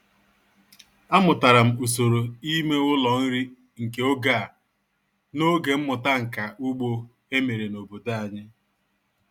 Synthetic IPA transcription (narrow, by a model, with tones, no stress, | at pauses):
a˦mʊ˨ta˨ɾa˨m̩˨u˨so˨ɾo˨i˦me˦ʊ˦lɔ˨n̩˦ɾi˦ | ŋ̩˨ke˨o˦ɡaː˦˨ | no˦ɡe˨m̩˦mʊ˨ta˦ŋ̩˨ka˨ʔʊ˦ɡ͡bo˦ | e˦me˨ɾe˨no˨bo˨da˦a˨ɲɪ˦